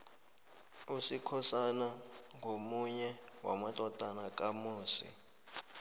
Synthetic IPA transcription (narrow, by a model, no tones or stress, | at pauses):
usikʰɔsanaŋʱomuɲɛwa̰matʼɔtʼanak̬ʼamuːsḭ